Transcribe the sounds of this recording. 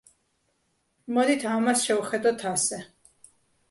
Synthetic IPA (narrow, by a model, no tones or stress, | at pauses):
mɔd̪it̪ʰamasʃɛuχɛd̪ɔt̪ʰasɛ